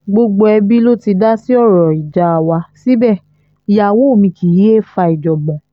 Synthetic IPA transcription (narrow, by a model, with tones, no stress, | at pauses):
ɡ͡bo˧ɡ͡bo˧ɛ˧bi˦lo˦ti˧da˦si˦ɔ˦˨ɾɔ˨i˨d͡ʒa˨˦˨wa˧si˦bɛ˦˨ | i˨ja˨wo˨˦o˦˨mĩ˧ki˨ji˦e˦˨fa˧i˨d͡ʒɔ˨bɔ̃˨